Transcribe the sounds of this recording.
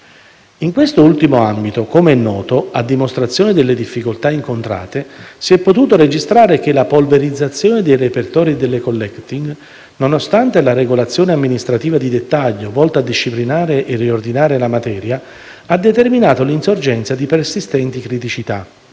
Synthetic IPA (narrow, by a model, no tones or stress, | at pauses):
iŋkwest̪oult̪imoambit̪okomeɛnːɔːt̪oad̪ːimost̪ɾat̪sːjoːned̪elːed̪ifːikolt̪aiŋkont̪ɾa̰ːt̪esiɛpːot̪uːt̪oɾed͡ʒist̪ɾaːɾek̟elapolveɾid̪zːat̪sːjoːned̪ejrepert̪ɔːɾid̪elːekolːɛkt̪iŋɡ | nonost̪ant̪elaɾeɡolat̪sːjoːneamːinist̪ɾat̪iːvad̪id̪et̪ːaʎːovɔlt̪aːd̪ːiʃːiplinaːɾeʔeriord̪inaːɾelamat̪ɛːɾja | ad̪ːet̪erminaːt̪olinsord͡ʒɛnt̪sad̪ipersist̪ɛnt̪ikɾit̪it͡ʃit̪a̰